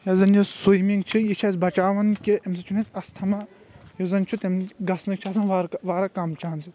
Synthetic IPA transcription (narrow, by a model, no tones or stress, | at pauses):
jɐzɐnjosujmiŋɡt͡ʃʰijit͡ʃʰasbɐt͡ʃaːʋɐnkiɐmsɐt͡ʃʰunʲet͡sɐst̪ʰɐmɐ | jozɐnt͡ʃʰut̪emɡɐsnɨkt͡ʃʰaːsɐnʋaɾʋaːɾɐkɐmt͡ʃaːɐnsi